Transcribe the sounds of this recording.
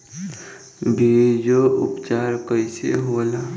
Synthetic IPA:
bʱid͡ʒoʊ̰pt͡ʃaɾkəɪsḛɦola

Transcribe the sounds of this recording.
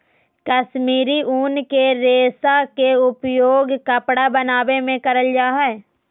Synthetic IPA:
kəʃmiːɾiʔuːnkeɾeːsakeʊpjoːɡkɐpɽabɐnaːʋemẽkɐɾəld͡ʒaːɦɛː

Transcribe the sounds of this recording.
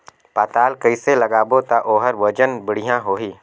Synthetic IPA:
paːt̪aːlkəiselɐɡaːbot̪aʔoːɦəɾʋɐd͡ʒənbɪɽ̤ɪjãɦoːɦiː

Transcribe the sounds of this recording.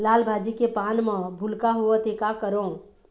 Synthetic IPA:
laːlbʱaːd͡ʒikepaːnmə̃bʱʊlkaɦuat̪eːkakəɾõː

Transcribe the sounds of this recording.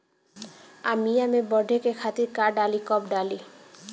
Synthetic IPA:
amiamebɔɖʱekekʰat̪iɾkaɖalikɔpɖali

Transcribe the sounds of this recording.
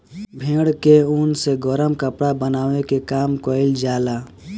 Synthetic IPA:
bʱẽːɽkeunseɡɔɾəmkəpɽabənaːwekekaːmkɔɪld͡ʒaːla

